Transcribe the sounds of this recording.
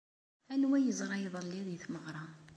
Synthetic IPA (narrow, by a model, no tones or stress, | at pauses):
ænwæjəzˤɾˤɑjðˤəlːiðjθməʁɾˤɑ